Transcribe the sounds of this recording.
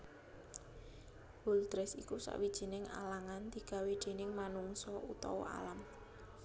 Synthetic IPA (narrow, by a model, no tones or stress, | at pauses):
b̥ʊld̪̥ɾɛsikusa̰ʔwid̥ʒ̥i̤nɪŋa̰laŋand̪̥i̤ɡ̥a̤we̥d̪̥e̤nɪŋmanuŋsɔut̪ɔ̰wa̰lam